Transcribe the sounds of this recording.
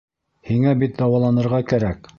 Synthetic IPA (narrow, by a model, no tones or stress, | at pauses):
hiŋæbit̪̚d̪ɑwɑlˠɑnɤ̆ɾʁɑkæɾæk